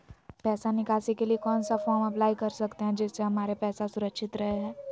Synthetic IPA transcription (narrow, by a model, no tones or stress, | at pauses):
pɛːsanɪkaːsikeliekɔːnsafɔːɾmɐplaːikɐɾsɐkt̪eɦɛ̃d͡ʒɪsːeɦɐmaːɾepɛːsasʊɾəkʃɪt̪ɾɐɦeɦɛ̃ː